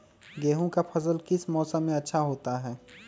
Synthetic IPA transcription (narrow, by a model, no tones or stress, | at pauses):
ɡeːɦõkapʰɐsəlkɪsmɔːsə̃mːẽɐtːʃʰaɦoːt̪aɦɛː